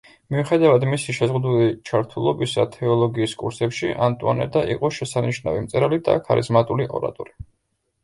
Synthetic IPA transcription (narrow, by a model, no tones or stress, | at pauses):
miuχɛd̪avad̪misiʃɛzʁud̪ulit͡ʃʰaɾt̪ʰulˠɔbisat̪ʰɛɔlˠɔɡiːskʼuɾsɛpʃiʔant̪ʼuɔ̰nɛ̰d̪aʔḭqʼɔʃɛsaniʃnavimt̪sʼɛɾalid̪a̰kʰaɾizmat̪ʼuliʔɔ̰ɾa̰t̪ʼɔɾi